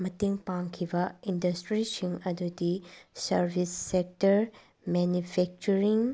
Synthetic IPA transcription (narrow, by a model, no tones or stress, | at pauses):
mɐtiŋpaŋkʰibɐindɐstɾisiŋɐdudisɐɾbʱisːek̚tɐɾ | menupʰek̚t͡ʃuɾiŋ